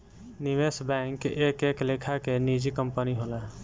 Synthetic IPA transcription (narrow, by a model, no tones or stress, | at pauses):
niʋesbɛ̃ŋkeːkeːkleːkʰakenid͡ʒikəmpəniɦola